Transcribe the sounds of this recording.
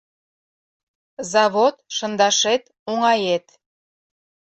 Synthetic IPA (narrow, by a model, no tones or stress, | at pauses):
zɑβot̪ʃə̆nd̪ɑʃet̪ | oŋɑjet̪